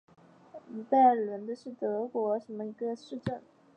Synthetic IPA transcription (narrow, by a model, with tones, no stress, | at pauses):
i˧˥t̪a˥˩ɪ˨lwə˧˥nd̪ə˧ʂɻ̩˥˩t̪ɤ˧˥kwɔ˧˥ʂə˧˥nmə˧i˧˥ɡə˧ʂɻ̩˥˧ʈ͡ʂə˥˩ŋ